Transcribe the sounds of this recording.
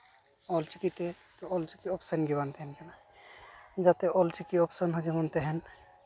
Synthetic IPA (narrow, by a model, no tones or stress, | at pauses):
ɔlt͡ʃikit̪e | t̪ɔɔlt͡ʃikiɔpsənɡibant̪eɦɛnkɛna | d͡ʒat̪eʔɔlt͡ʃikiɔpsənɦod͡ʒamɔnt̪eɦɛn